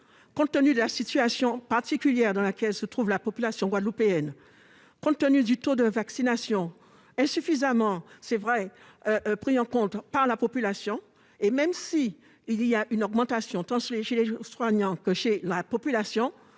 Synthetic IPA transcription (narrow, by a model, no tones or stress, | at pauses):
kɔ̃t̪ːənyd̪əlasit̪yasjɔ̃paʁt̪ikʲyljɛʁd̪ɑ̃lakʲɛlsət̪χuvlapɔpylasjɔ̃ɡwad̪əlupeɛn | kɔ̃t̪ːənyd̪yt̪od̪əvaksinasjɔ̃ | ɛ̃syfizamɑ̃sɛvʁɛ | ʔpχiɑ̃kɔ̃t̪paʁlapɔpylasjɔ̃ | emɛmsiː | lijaʔynɔɡmɑ̃t̪asjɔ̃t̪ɑ̃ʃeleʃeleswaɲɑ̃kəʃelapɔpylasjɔ̃